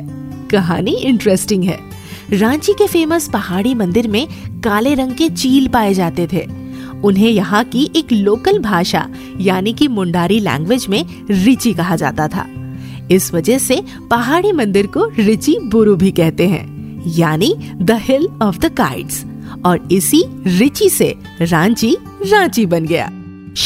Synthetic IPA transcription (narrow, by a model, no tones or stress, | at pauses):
kɐɦa̰ːniɪ̃ɳʈɾɛsʈɪ̃ŋɡɦɛ̰ː | ɾãːt͡ʃikefeːməspɐɦaːɽimɐ̃nd̪ɪɾmẽkaːleɾɐ̃ŋɡket͡ʃiːlpaːed͡ʒaːt̪et̪ʰeː | ʊnɦẽjɐɦãkiʔeːkloːkəlbʱaːʃa̰ | jaːnikimʊ̃ɳɖaːɾilɛ̰̃ːŋɡʋed͡ʒmẽ | ɾɪt͡ʃikɐɦad͡ʒa̰ːt̪at̪ʰa̰ː | ɪsʋɐd͡ʒəɦse | pɐɦaːɽ̃imɐ̃nd̪ɪɾkoɾɪt͡ʃibʊɾubʱikɛɦt̪eɦɛ̰̃ː | jaːnid̪əhɪlɔːʋd̪əkaːɪɖs | ɔːɾɪsiɾɪt͡ʃise | ɾãːt͡ʃi | ɾãːt͡ʃibɐnɡɐja̰ː